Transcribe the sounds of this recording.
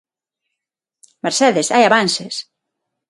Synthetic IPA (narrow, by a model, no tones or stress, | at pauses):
meɾseðesajaβanses